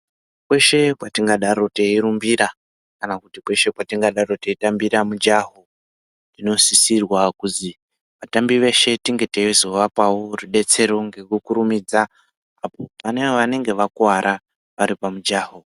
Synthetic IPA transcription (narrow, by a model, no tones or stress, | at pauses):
kwe̞ʃe̞pwatiŋɡaɗaɾo̞teiɾumbiɾa | kanakutikwe̞ʃe̞pwatiŋɡaɗaɾo̞te̞itambiɾamud͡ʒaɦo̞ | ino̞sisirwakuzi | ʋatambiʋe̞ʃe̞tiŋɡe̞teizooʋapaworuɗe̞t͡se̞ɾo̞ŋɡe̞kukuɾumid͡za | apo̞pane̞eʋane̞ŋɡe̞ʋakuaɾʔa | ʋaɾipamud͡ʒaːɦo̞